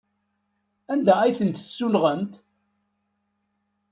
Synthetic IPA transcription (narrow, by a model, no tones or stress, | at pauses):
ænd̪ææjθənt̪sːulʁənt̪